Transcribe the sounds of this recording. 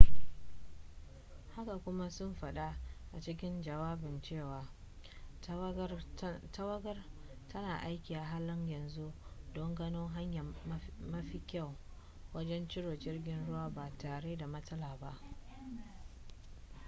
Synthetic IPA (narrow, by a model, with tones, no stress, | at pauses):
ha˦ka˨kʷʊ˦ma˦sʊ˦mɸɐ˨ɗa˦ʔa˨t͡ʃɪ˦k̬ʲɪ˦nd͡ʒɐ˨waː˦bɪ˨nt͡ʃeː˦˨waː˨ | tɐ˦wɐ˦ɡɐ˦r | tɐ˦naː˨ʔa˦jkʲiː˨ʔa˨ɦa˦lːɐ˦ɲjɐ˨nzu˦dɔ˦ŋɡɐ˦noː˦ŋɦa˦ɲjɐ˨mɐ˦ɸi˨kʲa˦˨w | wɐ˦d͡ʒɛ˦nt͡ʃɪ˦ɽoː˨d͡ʒɪ˦rɡʲɪ˦nɽʊ˦waː˦ba˨taː˨ɽeː˦da˨mɐ˦tɐ˦laː˨ba˦ʔ